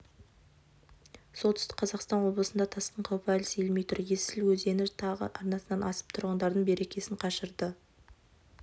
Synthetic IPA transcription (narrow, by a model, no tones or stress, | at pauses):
so̞lˠt̪ʰʏ̥st̪ɪ̥kqʰɑzɑqst̪ɑnwo̞blˠəsənd̪ɑt̪ʰɑsq̪əɴqʰɑwpælsejlmejt̪ʰʊɾje̞sɪlwɵzd̪e̞nɪɾt̪ʰɑʁə̰ʔɑɾnɑsənɑnɑsə̥p̚t̪ʰʊɾʁənd̪ɑɾd̪əɴbe̞ɾe̞kʲe̞sɪɴqʰɑʃəɾd̪ə